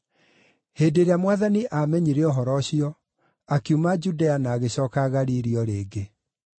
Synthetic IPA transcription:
heːdeɾeamwaðaniʔamɛɲiɾeɔɦɔɾɔɕiɔ | akjumad͡ʒudɛanaːɣeɕɔːkaɣaɾiːɾiɔɾeːɡe

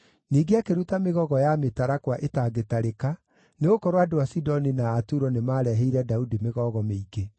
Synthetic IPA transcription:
niːɡeakeɾutameɣɔɣɔjametaɾakwaʔetaɡetaɾeka | neɣokɔɾwadowasidɔninaːtuɾɔnemaːɾɛɦɛiɾɛdaudimeɣɔɣɔmeiɡe

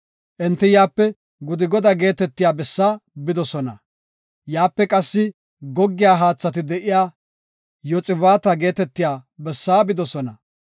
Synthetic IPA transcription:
ʔɛnt̪ːɪjaːpːɛ | ɡʊd̪ɪɡɔd̪aɡe̞ːt̪ɛt̪ːɪjaːbɛsːaːbɪd̪ɔsɔnɐ | jaːpːɛkʼɐsːɪ | ɡɔɡːɪjaːɦaːt͡sːɐt̪ɪd̪ɛʔɪjaː | jɔt͡sʼɪβaːt̪ɐɡe̞ːt̪ɛt̪ːɪjaːbɛsːaːbɪd̪ɔsɔnɐ̰

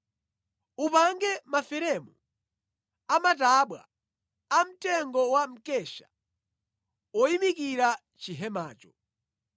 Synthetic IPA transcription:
upaŋɡɛmafɛɾɛmu | amataɓwa̰ | am̩tɛŋɡɔwam̩kɛʃḁ | ɔimikiɾa | t͡ʃiɦɛma̰ːt͡ʃɔ̥

